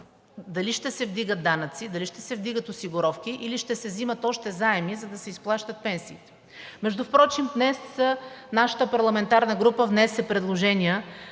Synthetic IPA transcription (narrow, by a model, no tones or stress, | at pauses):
d̪ɐliʃt̪ɛsɛvd̪iɡət̪̚d̪anət̪sid̪ɐliʃt̪ɛsɛvd̪iɡət̪ʊsiɡʊɾɔfkiʔiliʃt̪ɛsɛzimət̪ɔʃt̪ɛzaɛmizɐd̪ɐsɛisplˠaʃt̪ət̪̚pɛnsiːt̪ɛ̥ | mɛʒd̪ʊfpɾɔt͡ʃimd̪nɛsnaʃə̥t̪əpɐɾlˠɐmɛnt̪aɾnəɡɾupəvnɛsɛpɾɛd̪lˠoʒɛnʲiə